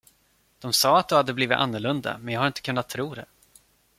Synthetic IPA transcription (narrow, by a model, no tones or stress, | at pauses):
d̪̥ɔmsɑːat̪̚d̪ɵhad̪ːəbliːvɪt̪a̰nːəɭɵnd̪a̰mɛnjɑːɦhaɾɪnt̪əkʰɵnːat̪ʰːɾuːd̪ɛ